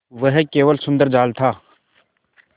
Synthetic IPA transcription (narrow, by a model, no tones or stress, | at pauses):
ʋəɦkeːʋəlsʊ̃nd̪əɾd͡ʒaːlt̪ʰaː